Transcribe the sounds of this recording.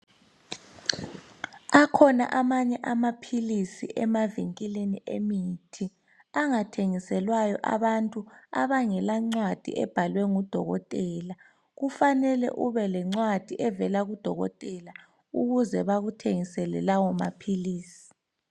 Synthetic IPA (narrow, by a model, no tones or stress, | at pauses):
akʰɔna̰ʔamaɲɛʔamapʰilisḭʔɛmaviŋkʼileniʔḛmitʰi | aŋatʰeŋisɛlwajɔ̰ʔa̰βantʼua̰βaŋɛlaŋ͡ǀwad̥ʱḭʔɛb̥ʱalwɛŋud̥ʱɔɣɔ̰tʼɛːla | ɣufanɛlɛ̰ʔuβɛlɛŋ͡ǀwad̥ʱiʔɛvɛlaɣud̥ʱɔɣɔ̰tʼɛla | uɣuzɛβaɣutʰeŋisɛlɛlawɔma̰pʰiliːsi̥